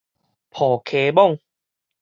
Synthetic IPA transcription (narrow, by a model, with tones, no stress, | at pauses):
pʰɔː˨˩kʰe˨˦bɔ˥˧˨ŋ